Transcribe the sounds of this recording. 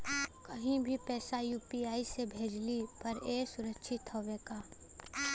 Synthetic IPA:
kɐɦĩbʱipɛːsajuːpiaːisebʱeːd͡ʒlipɐɾeːsʊɾəkʃʰɪt̪ɦoweːkaː

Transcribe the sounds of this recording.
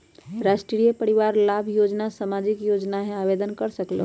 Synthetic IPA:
ɾaʃʈɾijəpəɾiʋaɾlabʱjod͡ʒnasamad͡ʒikjod͡ʒnaɦẽabed̪ənkəɾsəklḛ

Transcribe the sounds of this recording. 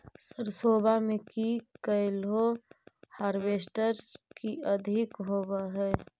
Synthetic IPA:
səɾsoːbamekikəɪlɦo | haːɾbeːsʈəɾskiəd̪ʱɪkɦoːbaɦɛː

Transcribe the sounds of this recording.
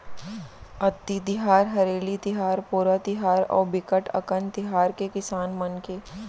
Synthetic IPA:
ɐt̪ːit̪ɪɦaːɾɦɐɾeːlit̪ɪɦaːɾpuːɾat̪ɪɦaːɾɔ̰ːɾbɪkəʈɐ̰kənt̪ɪɦaːɾkekɪsaːnmɐnke

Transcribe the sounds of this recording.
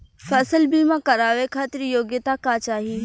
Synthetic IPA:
fɐsəlbiːmãkɐɾaːʋekʰaːt̪ɪɾjoːɡjət̪akaːt͡ʃaːɦiː

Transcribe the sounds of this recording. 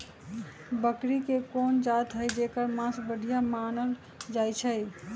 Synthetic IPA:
bəkɾikekond͡ʒat̪ɦəjd͡ʒekəɾmãsbəɖʱijamanəl | d͡ʒajt͡ʃʰəj

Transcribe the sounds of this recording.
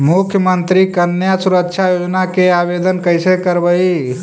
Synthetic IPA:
mukʰjəmənt̪ɾikənːjasuɾəkʃʰajod͡ʒnakeabed̪ənkəɪsekəɾbəi

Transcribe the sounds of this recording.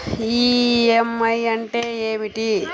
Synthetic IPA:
iːemːɐjɐɳʈeeːmiʈi

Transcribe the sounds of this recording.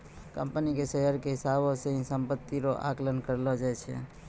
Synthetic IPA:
kə̃mpnikesɛɦəɾkeɦɪsabõseɦĩsə̃mpət̪ːiɾoʔa̰klənkəɾlod͡ʒaɛt͡ʃʰḛ

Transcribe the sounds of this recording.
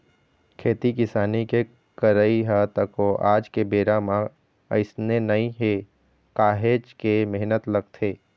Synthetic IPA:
kʰeːt̪ikɪsaːnike | kəɾəiɦat̪əkoʔaːd͡ʒkebeːɾamã | ɐ̰ɪsnenɐĩɦe | kaːɦeːd͡ʒkemeɦnət̪lɐɡ̚t̪ʰeː

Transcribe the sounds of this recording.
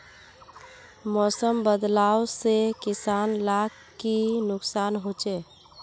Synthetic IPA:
mɔsəmbəd̪lawsekisanlak | kinʊksanɦot͡ʃɛ

